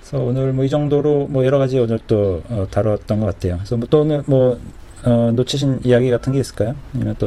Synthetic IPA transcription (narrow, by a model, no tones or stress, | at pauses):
sʰʌonɯɭmwʌid͡ʑʌŋdoɾomwʌjʌɾʌɣad͡ʑionɯɭt͈oʌtaɾot̚t͈ʌnɡʌk͈atʰe̞jokesʰʌmwʌt͈oonɯɭmwʌ | ʌnot͡ɕʰiɕ̬ʰinijaɡiɡatʰɯnɡe̞is͈ɯ̥ɭk͈ajoɲimjʌnt͈o